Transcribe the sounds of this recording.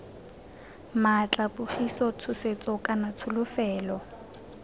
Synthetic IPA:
mat͡ɬʼapʊχisɔt͡sʰʊset͡sʼɔkʼanat͡sʰʊlʊfɛːlɔ

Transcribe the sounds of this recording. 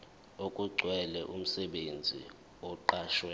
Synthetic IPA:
okʼuɡ͡ǀʱwɛlɛʔum̩sɛɓend͡zʱḭ | ɔǃaːʃwɛ

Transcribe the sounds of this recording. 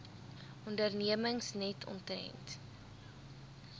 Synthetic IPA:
ʔɔndərniəməŋsnɛtʰɔ̰ntrɛ̰nt

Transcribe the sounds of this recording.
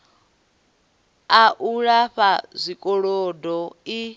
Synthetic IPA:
aʔuɺaɸazʷikʼɔɺɔdɔi

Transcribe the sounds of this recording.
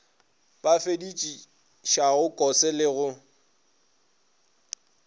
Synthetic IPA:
bafedit͡ʃʼi | ʃaɣʊkʼɔsɪlɪɣʊ

